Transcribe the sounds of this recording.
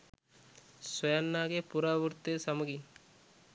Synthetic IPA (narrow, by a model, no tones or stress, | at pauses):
swɐjɐnːaːɡepuɾaːʋuɾt̪ːesɐmɐɡi